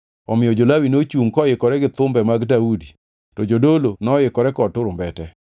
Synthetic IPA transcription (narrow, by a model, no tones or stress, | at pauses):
ɔmɪjɔd͡ʒolawinot͡ʃuŋkɔjɪkɔɾɛɡɪt̪ʊmbɛmaɡdaudi | tɔd͡ʒodolonɔjɪkɔɾɛkɔtʊɾʊmbɛtɛ